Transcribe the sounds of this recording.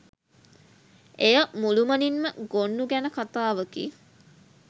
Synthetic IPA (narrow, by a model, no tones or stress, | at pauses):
ejəmuluməninməɡonːuɡænəkat̪aːʋəkḭ